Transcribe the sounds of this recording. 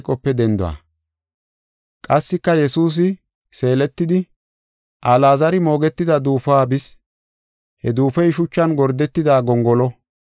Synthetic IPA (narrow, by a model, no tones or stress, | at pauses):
kʼːɔpːɛd̪ɛnd̪ɔa̰ː | kʼɐsːɪkːɐjɛsuːs̬ɪ | se̞ːlɛt̪ːɪd̪ɪ | ʔalaːzɐɾɪmo̞ːɡɛt̪ːɪd̪ɐd̪uːfaːbɪs | hɛd̪uːfɛjʃʊt͡ʃːɐnɡɔɾd̪ɛt̪ːɪd̪aːɡɔŋɡɔlɔ